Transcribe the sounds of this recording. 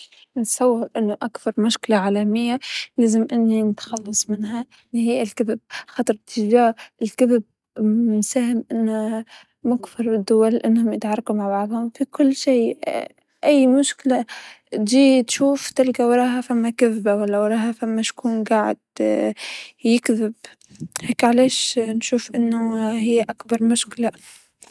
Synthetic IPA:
nɪt̪sˤɑwːɑɾʔɪnːʊʔakθɑɾˤmʊʃkɪlaʕaːlamɪjːalaːzɪmʔɪnːinɪt̪xɑlːɑsˤmɪnha | lihiːʔɪlkabɪb̚xɑt̪ˤɾˤt̪ːɪd͡ʒaːɾʔɪlkabɪb̚ | msaːhɪmʔɪnːa | mʊkfɪɾˤɪd̪ːʊwalːʔanːhʊmjɪt̪ʕɑrˤːɑqumaʕbɑʕðˤhʊmfikʊlːʃiː | ʔæjːmʊʃkɪla | t̪ʒiːt̪ʃuːft̪ɪlɡawɾˤɑːɦafamːakaðbawalːawɾˤɑːɦafamːaʃkuːnɡaːʕɪ̰d̪̥ | jɪkðɪb | heːkʕaleːʃnʃuːfʔɪnːʊhɪjːʔakbɑɾˤmʊʃkɪla

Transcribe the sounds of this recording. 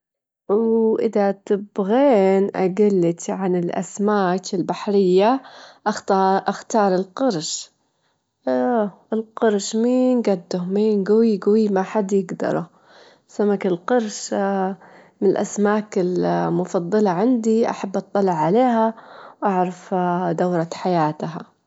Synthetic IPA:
wʔɪðat̪ɪbɣeːnʔaɡalːɪt̪ʕanɪlʔa̰smaːkɪlbaħɾɪjːaʔaxtːʔaxt̪ɑːɾˤɪlqɑɾˤʃ | ɪlqɑɾˤʃmiːnɡad̪ːʊmiːnɡawiɡawimaħad̪jɪɡd̪ɑ̰ɾˤṵ | samːakɪlqɑɾˤʃ | mɪnɪlʔa̰smaːkɪlmʊfɑðd̪ˤːɑlɑʕand̪iʔa̰ħabːʔɑt̪ˤːɑlɪʕːaleːɦawʔaʕɾˤɑfd̪awɾˤɑħajaːt̪ɦa

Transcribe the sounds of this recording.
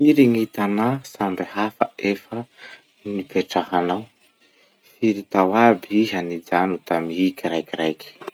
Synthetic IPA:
iɾiŋit̪anasambehafə̰efə | nibeʈ͡ʂahanaw | fiɾit̪awabiɦanid͡ʒanut̪amikʲiɾajkiɾajkʲi̥

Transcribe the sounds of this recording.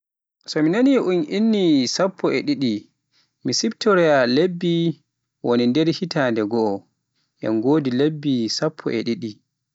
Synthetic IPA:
sɔminaniʔunʔinːisapʰːɔɛɗiɗi | misibtɔɾɛalebːi | wɔnɛndɛɾhitaːndɛɡɔː | ʔɛ̰nɡoːdilebːisapʰːɔ̰ʔɛ̰ɗiɗi

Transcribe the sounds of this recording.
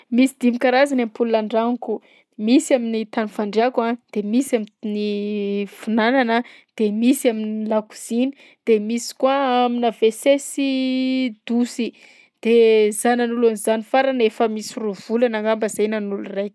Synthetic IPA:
misid̪imikaɾazanampulunaɳɖ͡ʐaŋku | misaminit̪anufaɳɖ͡ʐakad̪̥emisaminifunananə | d̪̥emisaminlaku̥z̥ini̥ | d̪̥emisi̥kwaaminavesesi | d̪̥usi | d̪̥ezananulanizanifaɾanefəmisiruv̥ulanaŋambəzajnanulurajk

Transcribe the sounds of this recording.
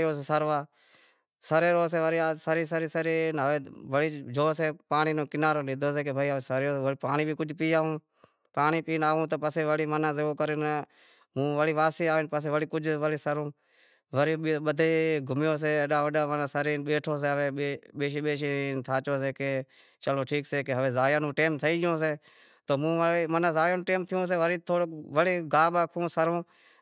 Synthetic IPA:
joːseːsəɾʋaː | səɾeːɾoːs̬eːʋəɾasəɾiːsəɾiːsəɾiːnɦəʋeːʋəɽiːd͡ʒoːseːpaːɳiːnõːkɪnaːɾoːliːd̪ʱoːseːkebʱaːiːasəɾjoːpaːɳiːbʱiːkʊd͡ʒpiːaːũː | paːɳiːpiːnaːũːt̪oːpəseːʋəɽiːmənãːseoːkəɾen | mũːʋəɽiːʋaːsiːaːʋɪnpəseːʋəɽiːkʊd͡ʒʋəɽiːsəɾõː | ʋəɾiːɓəd̪ʱeːɡʱʊmjoːs̬eːəɗãːʋəɗaːʋənaːsəɾiːɓeːʈʰoːs̬eːɦəʋeːeɓeːʃiːɓeːʃiːt̪ʰaːt͡ʃoːseːkeː | t͡ʃəloːʈʰiːkseːkeɦəʋeːzaːjãːnũːʈeːmt̪ʰəiːd͡ʒjõːseː | t̪oːmũːʋmənãːzaːjãːnũːʈeːmt̪ʰɪjõːs̬eːʋəɾiːt̪ʰoːɽoʋəɽeːɡaːɓaːkʰõːsəɾõː

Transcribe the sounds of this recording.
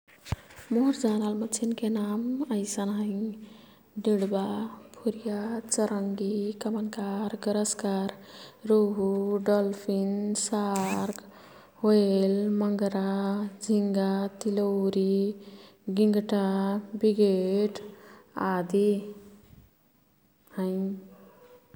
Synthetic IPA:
moɦɾd͡ʒanalmətt͡ʃʰinkenaməjsənɦə̃ĩ | ɖiɽbapʰuɾijat͡ʃəɾəŋɡikəmənkaɾɡəɾəskaɾɾoɦuɖɔlpʰinsaɾk | ɦoelməŋɡɾad͡zʱiŋɡat̪ilowɾi | ɡiŋɡʈabiɡeʈad̪i | hə̃j

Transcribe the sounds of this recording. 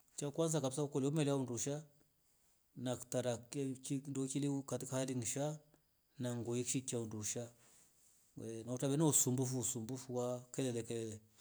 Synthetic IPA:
t͡ʃakwanzakabisaukɔliɔmɛlɛaunduʃa | naktaɾakindɔkilikatikahaliŋʃa | naŋɡɔjikʃikaunduʃa | nautaβɛnɔusumbufusumbufuwakɛlɛlɛkɛlɛlɛ

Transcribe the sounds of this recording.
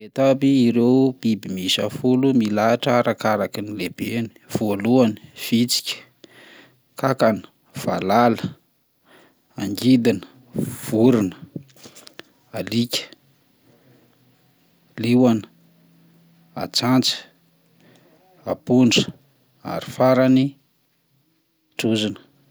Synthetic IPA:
et̪abiːɾewbibimiʃa̰fulumilaʈ͡ʂaɾakaɾakinileb̥eni̥v̥oluani̥v̥it͡si̥kʲə̥ | kakanə̥ | v̥a̰lalə | aŋɡid̪inə̥ | v̥uɾinə | alikʲə̥ | liwanə | a̰t͡sant͡sə̥ | apunɖ͡ʐə̥ | a̰ɾifaɾani | ʈ͡ʂuzinə̥

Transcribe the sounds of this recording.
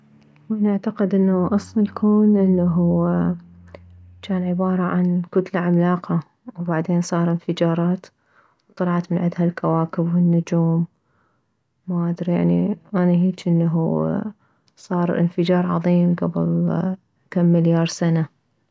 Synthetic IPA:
wanɪʕt̪aqɪd̪ʔɪnːaʔɑsˤlɑlkʰoːnʔɪnːaɦu | t͡ʃaːnʕɪbɑːɾˤɑʕankʊt̪laʕamlaːqa | wbaʕd̪eːnsˤɑːɾˤɪnfɪd͡ʒɑːɾˤɑːt̪ | wt̪ˤːɑlɑʕt̪mɪnʕɪd̪halkawaːkɪbwɪnːʊd͡ʒuːm | aʔad̪ɾija̰ʕniʔanaɦiːt͡ʃʔɪnːaɦu | sˤɑːɾˤʔɪ̰nfɪd͡ʒɑːɾˤʕɑ̰ðˤiːmɡabɪ̰l | kamːɪljɑːɾˤsana

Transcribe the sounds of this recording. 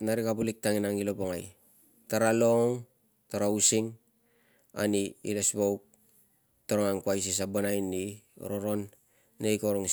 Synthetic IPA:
naɾikapulik̚taŋinaŋilopoŋaj | taɾaloŋ | taɾausiŋ | a̰niḭlesbowk̚ | toɾaŋaŋkuajs̬is̬abanajnːio̰ɾoɾonː | ejkoɾoŋ

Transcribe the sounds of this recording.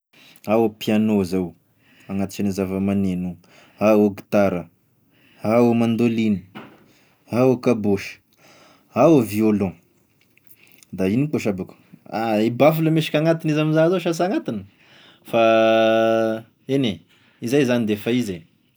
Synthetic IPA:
awopianozaw | aŋat̪i̥t͡ʃanizavəmanenu | aoɡi̥t̪aɾə | aomand̪olini̥ | ɦawokaboʃə̥ | ɦaoviolõ | d̪ainikoʃabaku̥aibafuləmeʃi̥kʲaŋat̪inizaminzazoʃas̬aŋat̪inə | fa | ene | izajzanid̪efaize

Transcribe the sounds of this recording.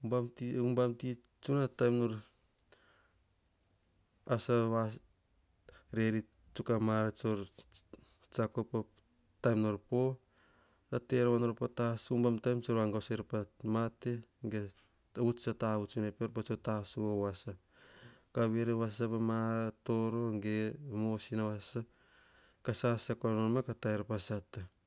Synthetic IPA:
bamtumbamti | t͡ʃunatajmnoɾ | asaβa | ɾeɾi | t͡ʃukamaɾat͡ʃoɾ | t͡ʃakopa | tajmnoɾpo̞ | ɾateɾβanoɾpotasumbamtajmt͡ʃoɾaŋɡaseɾpamateŋɡe | ut͡ʃataβut͡ʃunepeɾpat͡ʃotasuowasa | kaβeɾeβassapamaɾatoɾo̞ŋɡemosinawasa | kasasakoɾanoɾmakataeɾapasata

